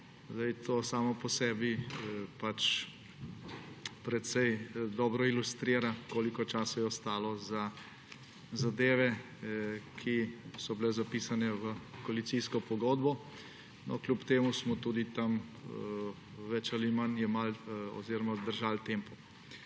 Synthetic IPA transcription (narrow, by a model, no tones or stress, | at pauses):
zd̪ɛjt̪oːsaːmɔpɔsɛːbipat͡ʃ | pɾɛt̪sɛjd̪ɔːbɾɔilust̪ɾiːɾakoːlikɔt͡ʃaːsajɛɔst̪aːlɔza | zad̪eːʋɛ | kʰisɔbilɛzapiːsanɛʋəkoalit̪siːskɔpɔɡoːd̪bɔ | nɔ̰klʲupt̪eːmusmɔt̪uːd̪it̪am | ʋɛt͡ʃalimanjɛmalɔ̰ziːɾɔmad̪əɾʒalt̪eːmpɔ